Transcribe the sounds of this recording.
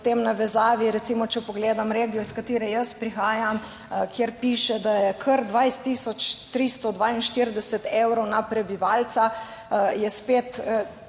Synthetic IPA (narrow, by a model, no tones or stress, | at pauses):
pt̪emnaʋɛzaːʋiɾɛt̪simɔt͡ʃɛpɔɡleːd̪amɾeːɡijɔiskat̪iːɾɛjəspɾixaːjam | kjeɾpiːʃɛd̪ajɛkʰəɾd̪ʋajst̪ːisɔt͡ʃt̪ɾist̪ɔd̪ʋainʃt̪iɾd̪ɛsɛt̪ewɾɔwnapɾɛbiʋalt̪sa | jɛspet̪